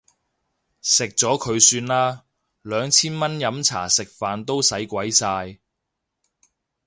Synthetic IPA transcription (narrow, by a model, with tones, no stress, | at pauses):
sɪ˨k̚t͡sɔː˨˥kʰɵ˨˧ɥsyː˧nlaː˥ | lœː˨˧ŋt͡sʰiː˥nmɐ˥njɐ˨˧˥mt͡sʰa̰ː˨˩sɪ˨k̚faː˨nt̪o˥wsɐ˨˥jkʷɐ˨˥jsaː˧j